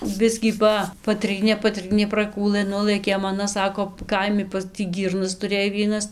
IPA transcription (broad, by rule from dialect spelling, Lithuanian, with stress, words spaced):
ˈbʲɪsʲkʲiː ˈpɐ pɐˈtʲrʲiːnʲeː pɐˈtʲrʲiːnʲeː prɐˈkuːlˠɘ ˈnʊlˠɘkʲeːm ɐˈnɐ ˈsɑːkoː ˈkɐɪmʲɪ pɐs tʲiː ˈɡʲiːrnɐs tʊˈrʲeːj ˈʋʲiɛnɐs